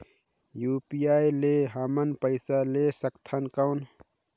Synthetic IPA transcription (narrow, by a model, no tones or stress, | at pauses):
jupiaːjleɦamənpəɪsalesəkt̪ʰənkəwn